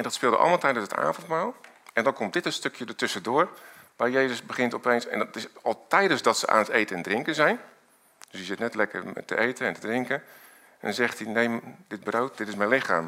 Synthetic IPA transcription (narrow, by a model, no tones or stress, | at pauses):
ɛndɔtspɪːlˠdəʔɔ̰lˠmalˠtɛjdənsəta̰ːvəntmaːlˠ | ɛndɔnkomtdɪtənstøkjədətʏsədoːrʋaːɹjejzəsbəɣɪntɔpejnsɛ̰̃ntɪsɔlˠtɛjdənsdɔtsəʔa̰ːnətejtənɛndrɪŋkənzɛjn | d̥sizɪtnɛtlɛkə̰rtə̰ʔejtənɛntədrɪŋkən | ɔ̰nzɛxtinejdɪd̚browt̚dɪtɪsmɛjnlɪxaːm